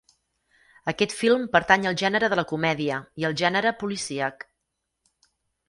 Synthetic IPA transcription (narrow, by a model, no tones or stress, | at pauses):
əkɛt̪filˠmpəɾt̪aɲəlˠʒɛnəɾəðələkumɛðiəiəlˠʒɛnəɾəpulisiək